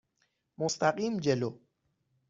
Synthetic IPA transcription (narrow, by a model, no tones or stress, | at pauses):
most̪aqʼimd͡ʒɛlo